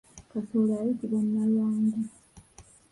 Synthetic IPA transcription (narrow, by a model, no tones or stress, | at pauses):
kasolaːjitiβanːalwaːɲɟi